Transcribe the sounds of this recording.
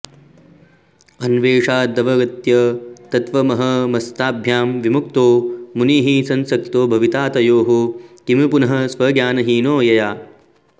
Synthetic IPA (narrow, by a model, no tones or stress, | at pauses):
ɐnʋeːʂaːd̪ɐʋɐɡɐt̪jɐt̪ɐt̪ʋɐmɐɦɐmɐst̪aːbʱjaːmʋimukt̪oːmuniːɦisɐnsɐk̚t̪oːbʱɐʋit̪aːt̪ɐjoːɦuk̪imipunɐɦɐ̆sʋɐːɡjaːnɐɦiːnoːjɐjaː